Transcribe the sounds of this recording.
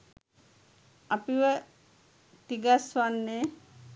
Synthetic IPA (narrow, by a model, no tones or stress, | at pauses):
apiʋə | t̪iɡasʋanːeː